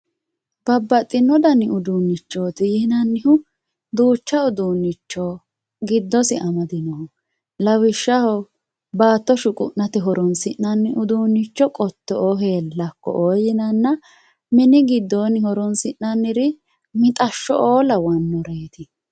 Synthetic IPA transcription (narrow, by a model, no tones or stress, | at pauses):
b̥ɐbːɐt̪ʼːɪnːɔd̪ɐnːɪʔʊd̪unːɪt͡ʃːoːt̪ɪjɪhnɐnːɪhʊ | d̪uːt͡ʃːɐʊd̪uːnːɪt͡ʃːɔ | ɡɪd̪ːɔsɪʔɐmɐd̪ɪnɔhɔ | lɐwɪʃːɐhɔ | baːt̪ːɔʃʊkʼʊʔnɐt̪ɪɦɔɾɔnsɪʔːɐnːɪʔʊd̪uːnːɪt͡ʃːɔkʼɔt̪ːɔʔoɦe̞ːlːɐkːɔ̰ʔoːjɪnɐnːɐ | mɪnɪɡɪd̪ːoːnɪhɔɾɔnsɪʔnɐnːɪɾɪ | mɪt̪ʼɐʃːɔʔoːlɐwɐnːɔɾeːt̪ɪ